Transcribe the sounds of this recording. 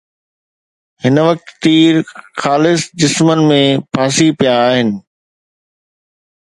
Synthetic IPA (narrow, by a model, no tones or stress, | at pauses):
hɪnʋɐk̚t̪ːiːɾxaːlɪsd͡ʑɪsmən̆mẽpʰaːsipijaːɦɪnɪ̆